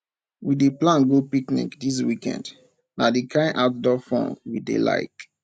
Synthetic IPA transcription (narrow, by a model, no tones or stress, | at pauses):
wideplãnɡopiknḭkdis̬wikɛ̰̃nd | nadikʰãɪ̃nʔaʊt̚dɔfɔ̰̃ŋwidḛla̰ɪk